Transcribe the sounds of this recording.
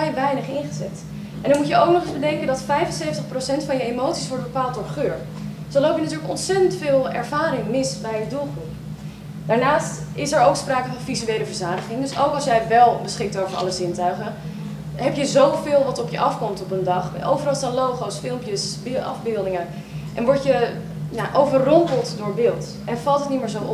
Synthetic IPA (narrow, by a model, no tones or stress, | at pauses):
ɛjʋɛjnəχɪnχəzɛt | ʔɛndɑɹmucəowk̚nɔχɪzbədɛŋkəndɑtfɛjvənsejvəntəχprowsɛntfɑnjəejmowtsi̥sʋɔɹdbəpaːlˠt̚dʊːɹχøːɹ | zolowpjənatyːɹləkɔnsɛtəntfɪːlˠɛ̰ɹv̥aːɾɪŋmɪsbɛjədulˠχrup | d̥aːɹnaːstɪsɛɹowkspraːkəvɑnvizyejləvəɹzaːdəχɪŋdɵsowkɑlˠsjɛjʋɛlˠbəsχɪk̚towvəɹɑ̰ləzɪntœɥχən | ɦɛpjəzowvɪːlˠʋɑtɔpjəʔɑfkɔmtɔpəndɑχʔowvərɑlˠstaːnlowχowsfɪlˠmpjəsbɑ̰vbɪlˠdɪŋə | ʔɛ̰nʋɔɹtjə | jaʔowvərɔmpəlˠtdʊːɹbɪːlˠt | ʔɛnvɑlˠtətnimɪːɹzowʔ